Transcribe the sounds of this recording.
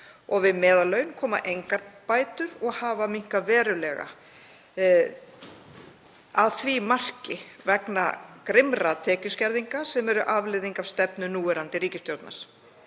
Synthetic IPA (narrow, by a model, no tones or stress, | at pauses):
ɔɣvɪðmɛːðalːœːɥjʏnkʰɔːma̰ʔejŋkaɾpaːjt̪ʏɾɔɣhaːvamiŋ̥kavɛːɾʏlɛɣa̰ | aðθvimar̥cɪvɛkna̰kɾɪmɾat̪ʰɛːcʏscɛɾðiŋkasɛmɛɾʏʔavlɪðiŋkavst̪ɛpnʏnuːɛɾant̪ɪriːcɪst̪jowt̪na̰ɾ̥